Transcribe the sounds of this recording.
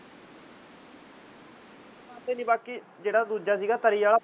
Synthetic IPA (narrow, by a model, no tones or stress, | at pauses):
ãːt̪eːnĩːbaːkiː | d͡ʒeːɽaːd̪uːd͡ʒaːsiːɡaːt̪əɾiːjaːlaː